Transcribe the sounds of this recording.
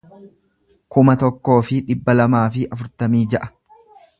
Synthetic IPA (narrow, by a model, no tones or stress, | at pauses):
kʊmɐt̪ɔkːo̞ːfɪᶑɪbːɐlɐmaːfɪʔɐfʊɾt̪ɐmiːd͡ʒɐʔɐ̥